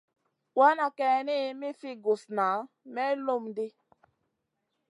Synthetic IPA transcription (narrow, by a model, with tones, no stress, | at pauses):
wa˦nɔ˨kɛ˨ni˦mi˦fi˦ɡu˨sna˨˦ | me˦lo˦˨m̩˨dɪ˦